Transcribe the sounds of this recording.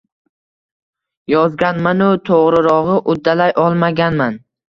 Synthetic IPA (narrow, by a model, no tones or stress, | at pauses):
jɒzɡʲanmanʊt̪ʰoʁɾɪɾɒʁɨʔʊd̪ːalajʔɒlˠmaɡʲanman